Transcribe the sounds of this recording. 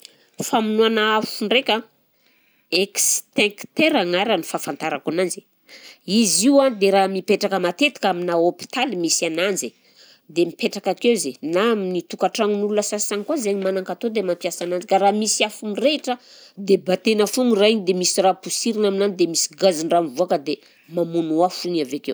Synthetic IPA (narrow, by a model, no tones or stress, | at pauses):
faminuanaafuɳɖ͡ʐekʲa | ekst̪ɛ̃ŋkt̪eɾaŋaɾanifafant̪aɾakanand͡ʒi̥ | iziwand̪eɾamipeʈ͡ʂakəmat̪et̪i̥kaminaopi̥t̪alimisanand͡ʒe | d̪emipeʈ͡ʂakakewzenaminit̪ukaʈ͡ʂaŋinulunəsasaŋkwazeɲimanaŋkat̪od̪emampjasanand͡ʒikaɾamisiafumireʈ͡ʂə | d̪ebat̪enəfuŋiraiɲd̪emisirapusiɾinaminanid̪emisi̥ɡaziɳramivuakəd̪e | mamunuafuɲavekew